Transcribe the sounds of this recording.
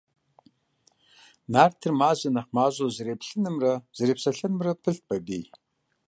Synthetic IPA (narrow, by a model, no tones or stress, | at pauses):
naːrtʰɨrmaːzɐnɐχmaːʑozɨɾeːpɬɨnɨmrɐz̥ɨreːpsɐɬɨnɨmrɐpʰɨɬt̚bɐbiː